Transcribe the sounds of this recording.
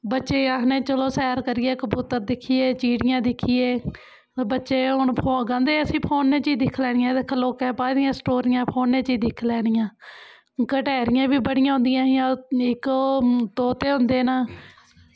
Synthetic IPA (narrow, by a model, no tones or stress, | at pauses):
bətːʃeːanẽːt͡ʃəloːsɛːɾkəɾɪɛːkəbuːt̪əɾd̪ɪkʰːiːeːt͡ʃiːɽɪjãːd̪ɪkʰːiːeː | bətːʃeːɦʊɳpʰoːɡə̃nd̪eːəsĩːpʰoːnːẽːt͡ʃiːd̪ɪkʰlɛːɽɪjãːd̪ekʰəloːkɛːpaːd̪ɪjãːsʈoːɾɪjãːpʰoːnːẽːt͡ʃiːd̪ɪkʰlɛːɽ̃ɪjãː | kəʈɛːɾɪjãːbiːbəɽɪjãːɦʊ̃nd̪ɪjãːjãːɪkːt̪oːt̪eːɦʊ̃nd̪eːnaː